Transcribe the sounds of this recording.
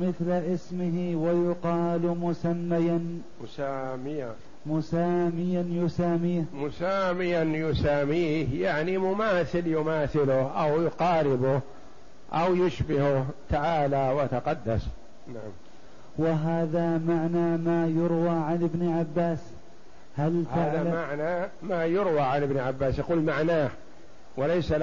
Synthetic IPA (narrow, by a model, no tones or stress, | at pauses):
mɪθlʔɪsmɪɦɪwajʊqɑːlmʊsamːajan | mʊsaːmɪja | mʊsaːmɪjanjʊsaːmiːhmʊsaːmɪjanjʊsaːmiːhjaʕnimʊmaːθɪljʊmaːθɪlʊhʔawjʊqɑːɾɪbʊh | ʔa̰wjʊʃbɪhʊht̪aʕaːlawat̪aqɑd̪ːas | naʕam | wɪɦaːðamaʕnamajʊɾwaːʕanɪbnʕabːaːs | halth̪aðalmaʕna | majʊɾwaʕanɪbnʕabːaːsjaquːlmaʕnaːh | walajsal